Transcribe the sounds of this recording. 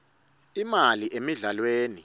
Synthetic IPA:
imaliʔemiɮalweːni

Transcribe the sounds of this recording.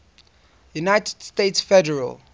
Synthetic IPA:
junajtɛd̥stetsfɛdəɹə̰l

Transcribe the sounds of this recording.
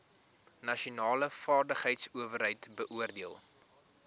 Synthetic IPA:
nɐʃiunɑːləfɑːrdəχɦəjtsuəvərɦəjtbəʔuərdiəlˠ

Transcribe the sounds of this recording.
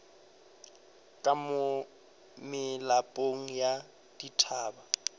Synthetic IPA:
kʼamʊ | mɪlapʼoŋ̩ja | d̥itʰaːba

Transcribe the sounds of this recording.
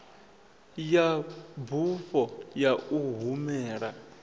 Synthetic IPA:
jabufɔjauɦumɛːɺa

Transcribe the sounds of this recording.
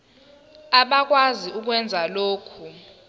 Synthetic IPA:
aɓak̬waziuk̬wɛnd͡zʱaloːkʰu

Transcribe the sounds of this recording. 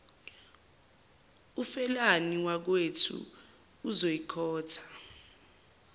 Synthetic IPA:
ufɛlaniwak̬wetʰṵː | zojikʰɔːtʰḁ

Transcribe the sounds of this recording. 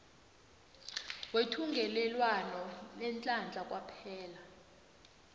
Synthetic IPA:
wetʰuŋɡʱɛlɛlwanɔnɛnt͡ɬʼand͡ɮʱakʼwapʰɛːla

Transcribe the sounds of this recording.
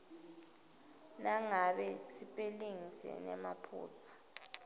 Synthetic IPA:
naŋaɓɛsipʼeliŋisɛ̰nɛ̰mapʰṵːt͡sʰḁ

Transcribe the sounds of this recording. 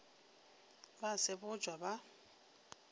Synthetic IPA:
basɪbʊd͡ʒʱwaba

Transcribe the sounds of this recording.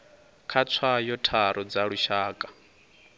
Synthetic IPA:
kʰat͡sʰajɔtʰaɾɔd͡zaɺuʃaːkʼḁ

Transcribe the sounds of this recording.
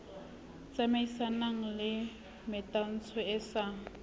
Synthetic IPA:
t͡sʼamaisanaŋ̩lɪ | mɪtʼan̩t͡sʰɔɛsa

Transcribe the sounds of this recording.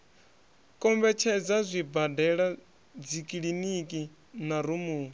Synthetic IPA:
kʼɔmbɛt͡ʃʰɛd͡zazʷibadɛɺa | d͡zikʼiɺinikʼi | naɾumuː

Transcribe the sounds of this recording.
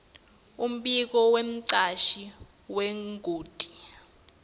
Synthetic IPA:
um̩ɓik̬ɔwem̩ǀaʃi | weŋɡʱuːtʼi̥

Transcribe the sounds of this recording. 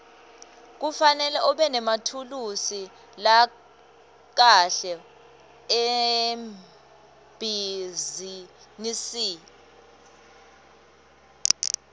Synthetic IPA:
k̬ufanɛlɛʔɔɓɛnɛmatʰulusi | la | k̬aɬɛ | em | b̥ʱizinisiː

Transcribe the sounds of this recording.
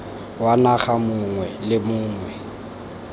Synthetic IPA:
wanaɣamʊŋwɛlɪmʊːŋwɛ

